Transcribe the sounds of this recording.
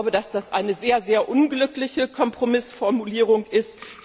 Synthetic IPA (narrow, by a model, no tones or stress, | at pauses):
ʊbədasd̥asʔaɪnəzeːɐzeːɐʔʊnɡlʏklɪçəkʰɔmpʁ̥omɪsfɔɐmuliːʁ̞ʊŋʔɪst